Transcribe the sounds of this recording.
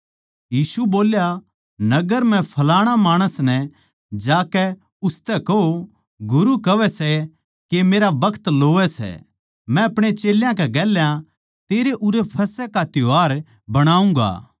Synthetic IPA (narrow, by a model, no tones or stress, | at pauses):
jiːsuboːlja | nɐɡəɾmɛ̃pʰɐlaːɽ̃amaːɽ̃əsnɛ | d͡ʒaːkɛ | ʊst̪ɛkɐo | ɡʊɾukɐʋɛsɛ | kemeːɾabɐkʰt̪loːʋɛsɛ̰ | mɛ̃ɐpɽ̃et͡ʃeːljãkɛɡɛːljã | t̪eːɾeʔʊɾepʰɐsɛkat̪ɪoɦaːɾ | bɐɽ̃aːũŋɡa̰ː